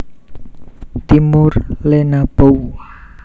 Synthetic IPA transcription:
t̪imʊrlenab̥o

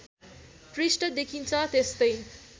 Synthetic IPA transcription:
prisʈʌd̪ekʰint͡sʰʌt̪est̪ʌj

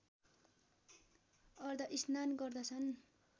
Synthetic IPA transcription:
ʌrd̪ʌʔisnanɡʌrd̪ʌt͡sʰʌn

